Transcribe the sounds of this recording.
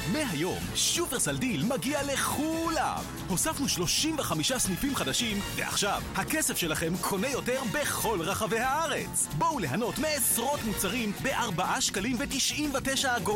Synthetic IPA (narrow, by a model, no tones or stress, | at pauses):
meɦajo̞̰mʃuveʁsaldilmaɡiale̞χula̰m | ho̞safnuʃlo̞ʃimveχamiʃasnipimχadaʃimve̞̰a̰χʃavhakesefʃe̞laχe̞mkʰo̞ne̞jo̞teʁbe̞χo̞lʁaχave̞jhaaʁe̞t͡s | bowle̞ɦano̞tmeːsʁo̞tmut͡saʁimbe̞ʔaʁbaʔaʃkalimvetiʃʔimvateʃaːɡo